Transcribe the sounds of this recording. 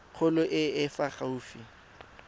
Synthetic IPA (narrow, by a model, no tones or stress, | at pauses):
q͡χʰʊlʊʔɪɪfaχauːfi